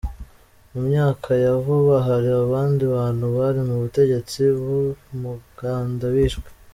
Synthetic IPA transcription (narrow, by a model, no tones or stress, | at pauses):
mumɲaːkʰajavuβaɦaɾiaβaːndiβaːn̥huβaɾimuβute̞ɟe̞t͡siβumuɡ̥aːndawiːʃɡwe̥